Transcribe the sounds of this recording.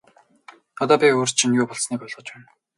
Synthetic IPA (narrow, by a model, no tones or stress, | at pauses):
ɔt̪ɔːpʲioːrt͡ɕʰinjʊːpɔɮsniːkɔɮʁɞ̆t͡ɕpæːn